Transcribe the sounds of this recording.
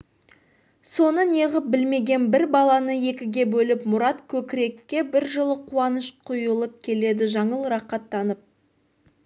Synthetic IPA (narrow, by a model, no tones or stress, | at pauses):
so̞nəne̞ʁəp̚bɪlme̞ɡʲe̞nbɪɾbɑlˠɑnəje̞kʲɪɡʲe̞bɵlɪpmʊɾɑt̪kʲʰɵkʲɪɾe̞kʲːe̞bɪɾʒəlˠəqʰuɑnəʃqʰʊjəlˠəp̚kʲʰe̞le̞d̪ɪʒɑɴəlˠɾɑqɑt̪ːɑnəp̚